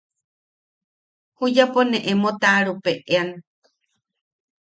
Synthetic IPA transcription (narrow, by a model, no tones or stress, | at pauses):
hujaponeʔemot̪aɾupeʔean